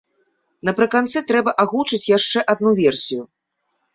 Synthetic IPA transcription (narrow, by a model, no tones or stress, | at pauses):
nɐpɾɨkant̪sɨt̪ɾɛbɐʔaɣut͡ʂɨt͡sʲjaʂt͡ʂɛʔad̪nuvʲɛrsʲiju